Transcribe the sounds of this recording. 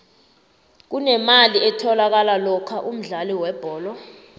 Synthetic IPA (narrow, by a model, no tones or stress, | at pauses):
k̬unɛmaliɛtʰɔlak̬alalɔkʰaʔum̩ɮaliwɛb̥ʱɔːlɔ